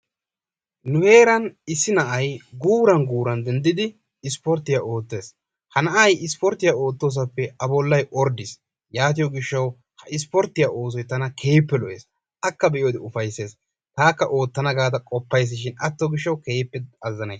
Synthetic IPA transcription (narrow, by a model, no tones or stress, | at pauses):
nʊhe̞ːɾɐnɪsːɪnɐʔɐjɡuːɾɐnɡuːɾɐnd̪ɛnd̪ɪd̪ɪ | ɪspɔɾt̪ːɪjaʔo̞ːt̪ːe̞ːs | hɐnɐʔɐjɪspɔɾt̪ːɪjao̞ːt̪ːo̞ːs̬ɐpːɛɐbɔlːɐjʔɔɾd̪ɪs | jaːt̪̬ɪjɔɡɪʃːɐw | hɐʔɪs̬pɔɾt̪ɪjaʔo̞ːs̬ɔjt̪ɐnɐkʰe̞ːpːɛlɔʔḛːs | ʔɐkːɐbɛʔjoːd̪ɪʊfɐjsːe̞ːs | t̪aːkːɐʔo̞ːt̪ːɐnɐɡaːd̪ɐkʼɔpːɐjs̬ːɪʃɪnɐt̪ːɔɡɪʃːɐwke̞ːpːɛɐzːɐnɐjs